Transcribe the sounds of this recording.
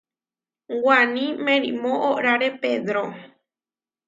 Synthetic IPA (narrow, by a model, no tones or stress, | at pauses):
wanĩmẽɾimõʔoʔɾaɾeped̪ɾo